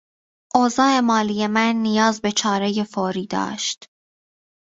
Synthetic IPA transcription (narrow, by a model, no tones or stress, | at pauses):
ʔoːzɒːe̞mɒːlije̞mænːijɒːzbe̞t͡ʃʰɒːɾe̞je̞foːɾiːd̪ɒ̰ːʃt̪